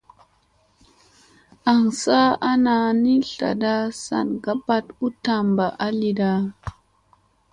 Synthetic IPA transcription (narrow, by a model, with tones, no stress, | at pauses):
a˨ŋsa˦a˦na˨ni˦ɬa̰˨da˦sa̰˨nɡa˦pa˦tu˦ta˨mba˨ʔa˦li˨da˦